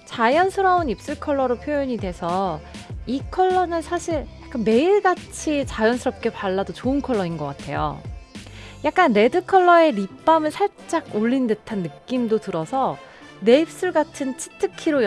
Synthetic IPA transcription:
t͡ɕajʌnsʰɯɾaunip̚s͈ɯɭkʰʌɭːʌɾopʰjojoɲidwe̞sʰʌ | ikʰʌɭːʌnɯnsʰaɕʰiɭjak͈anme̞iɭɡat͡ɕʰit͡ɕajʌnsʰɯɾʌp̚k͈e̞paɭːadot͡ɕoɯnkʰʌɭːʌinɡʌk͈atʰe̞̰jo̰ | jak̚k͈anːe̞dɯkʰʌɭːʌe̞ɾip͈amɯɭsʰaɭt͡ɕ͈aɡ̚oʎːindwetʰanːɯk͈imdotɯɾʌsʰʌ | ne̞ip̚s͈ɯɭɡatʰɯnt͡ɕʰi̥tʰɯkʰiɾoj

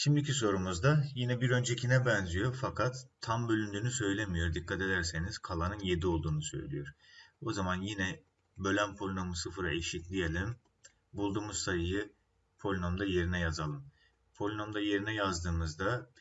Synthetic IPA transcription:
ʃimd̪iciso̞ɾumuzd̪ajinɛbiɾø̞nd͡ʒe̞cʰinɛbɛnzijo̞fakʰat̪ʰːambø̞lʲynd̪yːnysø̞jlʲe̞mijo̞ɾd̪ikʰːat̪e̞d̪æɾse̞niz̥kʰalˠanɯnje̞d̪io̞lˠd̪uːnusø̞̰jlʲḭjo̞ɾ̥o̞zamanjinɛ | bø̞lʲænpʰo̞lʲino̞musɯfɯɾa̰iʃitlʲijelʲim | bulˠd̪uːmuzsajɯjɯ | pʰo̞lʲinomd̪aje̞ɾinɛjazalˠɯm | pʰo̞lʲinomd̪aje̞ɾinɛjazd̪ɯːmɯzd̪a

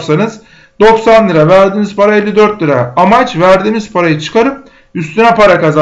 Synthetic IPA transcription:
sanɯz | d̪o̞ksanlˠɯɾavæɾd̪iːniz̥pʰaɾaelʲːid̪ø̞ɾt̪lʲɯɾaamat͡ʃvæɾd̪iːmiz̥pʰaɾajɯt͡ʃʰɯ̥kʰaɾɯm | yst̪ʰynɛpʰaɾakaza

